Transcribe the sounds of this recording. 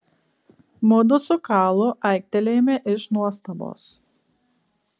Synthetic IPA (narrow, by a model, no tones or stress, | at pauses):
mʊd̪ʊsʊkɑːlˠʊʔɐɪk̚ʲt̪ʲɛlʲeːmʲɛʔɪʃnuɔst̪ɐbo̰ːs